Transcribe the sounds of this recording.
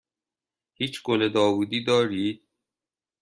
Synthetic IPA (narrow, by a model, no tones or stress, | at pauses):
hiːt͡ʃɡ̥oled̪ɒːvuːd̪iːd̪ɒːɾiːd̪̥̚